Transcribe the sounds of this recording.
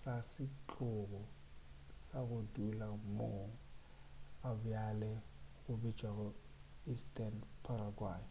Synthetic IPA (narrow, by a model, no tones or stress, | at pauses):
sasɪt͡ɬʼʊɣɔ | saɣʊdulamoŋ̩ | abʊjalɛɣʊbi̥d͡ʒʼʱaɣɔistʼɛnpʰaɾaɡwaːji